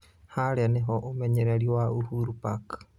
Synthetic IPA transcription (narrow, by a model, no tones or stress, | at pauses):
haɾeaneɦoʔumeɲeɾeɾiwauhuɾupakɨ̥